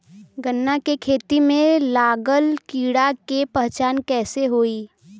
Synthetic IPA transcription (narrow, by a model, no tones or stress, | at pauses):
ɡənːakekʰeːt̪imẽlaːɡəlkiːɽakepəɦt͡ʃaːnkɛːseɦoːiː